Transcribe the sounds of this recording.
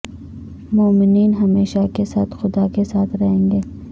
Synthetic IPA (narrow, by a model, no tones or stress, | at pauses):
moːmɪniːnɦɐmeːʃakesaːt̪xʊd̪akesaːt̪ʰɾɐɦẽːŋɡeː